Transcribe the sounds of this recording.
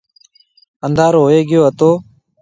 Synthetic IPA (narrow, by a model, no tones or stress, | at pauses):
ənd̪aːɾɦoːeːɡɪjoːɦət̪oː